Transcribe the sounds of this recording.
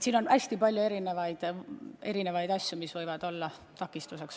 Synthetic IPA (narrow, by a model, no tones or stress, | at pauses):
t̪siːno̞nʔæsʲt̪ipɑlʲjue̞ɾine̞vɑjd̪̥e̞ɾine̞vɑjd̪ɑsʲjumisvɤjvɑd̪̥o̞lːɑ | t̪ɑkːˑist̪use̞ks